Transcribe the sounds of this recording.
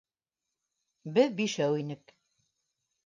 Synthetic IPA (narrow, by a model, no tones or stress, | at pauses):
bɘðbiʃæwinɘk